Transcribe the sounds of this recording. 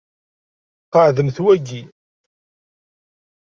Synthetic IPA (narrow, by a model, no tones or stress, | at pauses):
qəʕðəmθwæɡi